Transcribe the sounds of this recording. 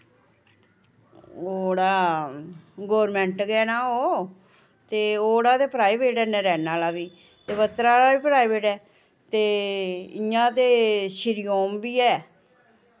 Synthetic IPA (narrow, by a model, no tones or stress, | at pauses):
oːɽaː | ɡoːɾmɛ̃ːɳʈɡɛːnaːoː | t̪eːoːɽaːt̪eːpɾaːibeːʈɛːnɛɾɛːnaːlaːʋiː | t̪eːbət̪ːɾaːlaːʋiːpɾaːibeːʈɛː | t̪eːɪjãːt̪eːʃɪɾɪjoːmbiːɛː